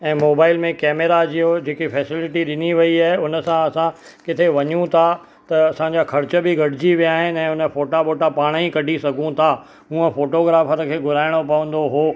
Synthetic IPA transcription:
ɛ̃ːmoːbaːɪlmẽkɛːmeɾad͡ʑiːɦod͡ʑeːkifɛːsɪlɪʈiɗɪniʋɐiaːɦeʊnə̆sãɐsã | kɪt̪ʰeʋɐɲũt̪ʰa | t̪ɐɐsãɲd͡ʑakʰɐɾt͡ɕə̆bɪɡʱɐɖʱɪd͡ʑiʋijaːɦɪnɛ̃ːʊnəfoːʈaɓoːʈapaːɽ̃ikɐɖʱisɐɡʱũt̪ʰa | ũːə̃foːʈoːɡɾaːfəɾkʰeːɡʊɾaːɪɽ̃opɐʋə̃nd̪oɦoː

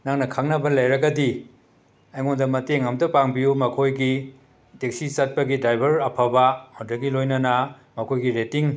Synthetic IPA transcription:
naŋnɐkʰaŋnɐbɐlɐjɾɐɡɐdi | ɐjŋondɐmɐteŋɐmdɐpaŋbijumɐkʰojɡi | tek̚sisat̚pɐɡidajbʱɐɾɐpʰabɐhodɐɡilojnɐnɐ | mɐkʰojɡiɾetiŋ

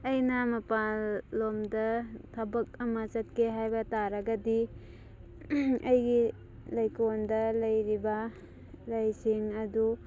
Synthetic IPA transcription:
ɐjnɐmɐpalːomdɐtʰɐbɐk̚ɐmɐt͡ʃɐt̚keɦajbɐtaɾɐɡɐdi | ɐjɡi | lɐjkondɐlɐjɾibɐ | lɐjsiŋɐdu

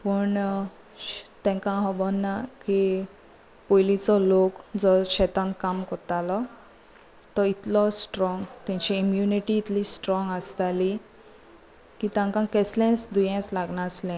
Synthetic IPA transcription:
pəɳ | t̪ɛ̃ŋkãɦɔbɔnːaki | pojlit͡sɔlokd͡zɔɕɛt̪ãnt̪̚kamkɔɾt̪alɔ | t̪ɔit̪lɔsʈɾɔŋɡt̪ãɲt͡ɕɛimjuniʈiːt̪lisʈɾɔŋɡast̪ali | kit̪ãŋkãkɛslɛ̃t͡sd̪ujɛ̃t͡slaɡɳaslɛ̃

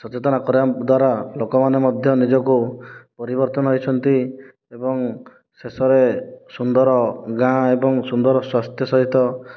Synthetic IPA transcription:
sɔt͡ʃet̪ɔnakɔɾad̪waɾalokɔmanemɔd̪ʱjɔnid͡ʒɔkupɔɾibɔɾt̪ɔnɔɦɔjt͡ʃʰɔnt̪i | ebɔŋ | sesɔɾesund̪ɔɾɔɡãebɔŋsund̪ɔɾɔswast̪jɔsɔɦit̪ɔ

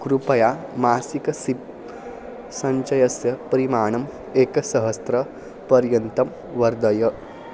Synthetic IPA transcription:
kɾupɐjamaːsikɐsi | sɐɲt͡ʃɐjɐsjɐpɾimaːɳ̃ɐm | eːkɐsɐɦɐst̪ɾɐ | pɐɾjɐnt̪ɐm | ʋɐɾd̪ɐjɐ

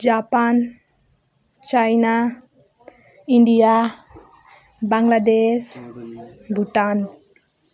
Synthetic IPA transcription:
d͡ʒapan | t͡ʃajna | iɳɖija | baŋɡlad̪es | bʱuʈan

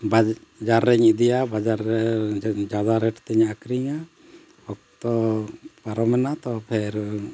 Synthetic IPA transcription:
ba | d͡ʒaɾːɛɲid̪ijabad͡ʒaɾɛd͡ʒad̪aɾɛʈt̪ɛɲakɾiɲa | hɔk̚t̪ɔpaɾɔmɛnat̪ɔpʰɛɾ

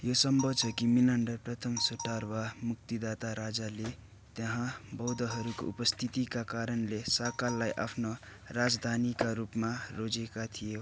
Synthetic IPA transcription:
josʌmbʱʌt͡sʰʌkiminʌɳɖʌprʌt̪ʰʌmsoʈarwamuk̚t̪id̪at̪aɾad͡zale | t̪jʌɦãbʌwd̪ʌɦʌɾuko̰upʌst̪ʰit̪ikakaɾʌnlesʌkalːajʔa̰pʰno | rad͡zd̪ʱanikaɾupmarod͡zekat̪ʰijo

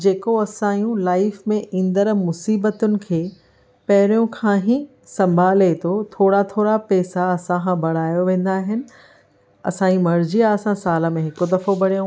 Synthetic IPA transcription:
d͡ʑeːkoɐsãːjũlaːɪfmẽʔĩːnd̪əɾmʊsiːbət̪ʊnɪ̆kʰeː | pɐɦɪɾijõkʰãːɦĩ | sɐ̃mbʱaːlet̪ʰot̪ʰoːɽat̪ʰoːɾapɛːsaɐsããbʱɐɽ̤aːjoʋẽːn̆d̪aːɦɪnɪ̆ | ɐ̰sãːĩmɐɾd͡ʑijaɐsãsaːlə̆mẽɦɪkod̪ɐfobɐɽijõ

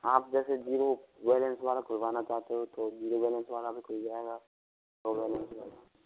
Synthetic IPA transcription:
aːp̚d͡ʒɛːsed͡ʒiːɾoʋeːlɛnsʋaːlakʊlbaːnat͡ʃaːɦt̪eɦot̪od͡ʒiːɾoʋɛːlɛnsʋaːlabʱikoid͡ʒaːeːɡa | oʋɛːlɛnsʋaːla

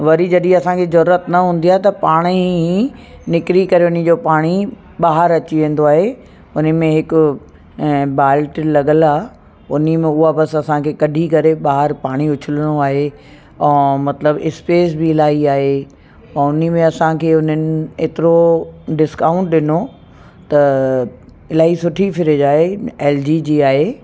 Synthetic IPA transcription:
ʋɐɾid͡ʑɐɗĩɐsãkʰezɐɾuːɾət̪nɐɦũːn̆d̪ijaːɦet̪ɐpaːɽ̃i | nɪkɾikɐɾeʊnɪ̆d͡ʑoːpaːɽ̃i | ɓaːɦəɾɐt͡ɕiʋẽːn̆d̪oaːɦe | ʊnə̆mẽɦɪkʊ | baːlʈlɐɠəlaː | ʊnimẽʊɦabɐsɐsãkʰeːkɐɖʱikɐɾeɓaːɦəɾpaːɽ̃iʊt͡ɕʰɪləɽ̃oaːɦe | ɛ̃ːmɐt̪ləbɪspeːsbɪɪlaːɦiaːɦe | ɛ̃ʊnimẽɐsãkʰeːʊn̤ənɪ̆eːt̪ɪɾoɖɪskãːʊ̃ɳʈɗɪno | t̪ɐ | ɪlaːɦisʊʈʰifɪɾɪd͡ʑaːɦeeːld͡ʑiːd͡ʑiːaːɦeː

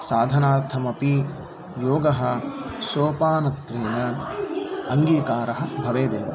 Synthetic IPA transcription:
saːd̪ʱɐnaːɾt̪ʰɐmɐpi | joːɡɐɦɐ̆soːpaːnɐt̪ɾeːnɐ | ɐŋɡiːkaːɾɐɦɐbʱɐʋeːd̪eːʋɐ̰

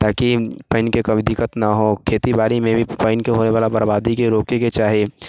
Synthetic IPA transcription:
t̪aːkipəɪnkekɐbɪd̪ɪkət̪naɦoːkʰeːt̪ibaːɾimẽbʱipəɪnkeɦoːneʋaːlabɐɾbaːd̪ikeɾoːkeket͡ʃaːɦie

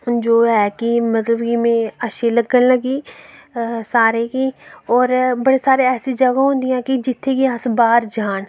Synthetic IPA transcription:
d͡ʒoːɦɛːkimət̪ləbkimẽəʃeləɡənləɡiː | saːɾekiːɔːɾbəɽesaːɾeɛːsid͡ʒəɡaɦõːnd̪ɪjãːkid͡ʒɪt̪ʰːeːkiəsbaːɾd͡ʒaːn

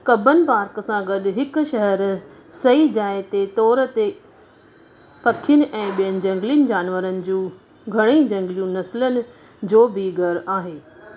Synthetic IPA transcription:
kɐbʱənɪ̆paːɾkəsãɡɐɗ̆ɦɪkʊ̆ʃɐɦəɾ | sɐid͡ʑaːet̪et̪ɔːɾt̪e | pɐkʰijʊnɪ̆ʔɛ̃ːɓijənɪ̆d͡ʑɐ̃ŋɡlijənɪ̆d͡ʑaːnʋəɾənɪ̆d͡ʑũː | ɡʱɐɽ̃id͡ʑɐ̃ŋɡlijũnɐsɪlənɪ̆ | d͡ʑoːbʱɪɡʱɐɾaːɦeː

